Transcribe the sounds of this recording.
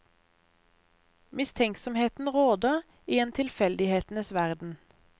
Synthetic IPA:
mɪst̪ʰɛŋksɔmheːt̪n̩ʁoːd̪əʁ | iːɛnt̪ʰɪlfɛld̪ɪheːt̪n̩əsʋæʁd̪n̩

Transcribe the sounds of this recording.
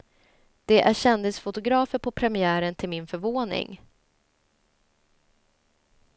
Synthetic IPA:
d̪̥ɛʔæɕɛnd̪ɪsfʊt̪ʊɡɾɑːfəɾpʰɔpʰɾɛmɪæːɾənt̪ʰɪlmɪnfœɾvoːnɪ̰ŋ

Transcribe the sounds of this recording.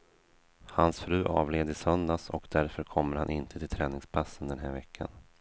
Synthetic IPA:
hansfɾʉ̟ːʔɑːvleːd̪əsœnd̪asɔkd̪æɾfœɾkʰɔmːəɾhanʔɪnt̪ʰət̪ʰɪlt̪ʰɾɛːnɪŋspʰasːənd̪ɛnɦæːɾvɛkʰːa̰n

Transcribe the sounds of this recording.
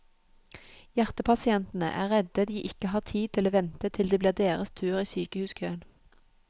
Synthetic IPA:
jæʁt̪əpʰɑsɪɛnt̪n̩ə̰ʔæ̰ːʁɛd̪əd̪iːʔɪkəhɑːʁt̪ʰiːt̪ʰɪloːʋɛnt̪ət̪ʰɪld̪eːbliːʁd̪eːʁəst̪ʰʉːʁiːsyːkəhʉːskʰøːən

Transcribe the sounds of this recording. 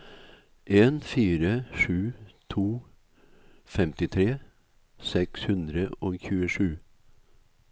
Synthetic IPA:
ʔeːnfiːɾəʂʉːt̪ʰuː | fɛmt̪ɪt̪ʰɾeː | sɛkshʉnd̪ɾəoːçʉːəʂʉː

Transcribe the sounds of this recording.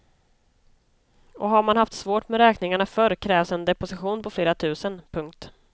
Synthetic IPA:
ɔɦaɾmanɦhaft̪svoːʈmɛɾɛːknɪŋaɳafœɾkʰɾɛːvsɛnd̪ɛpʊsɪɧuːnpʰɔfleːɾat̪ʰʉ̟ːsənpʰɵŋk̚t̪

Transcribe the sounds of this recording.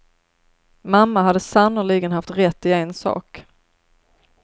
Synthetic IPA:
mamːaɦad̪ːəsanʊɭiːɡənhaft̪ɾɛt̪ːɪɛnsɑ̰ːk

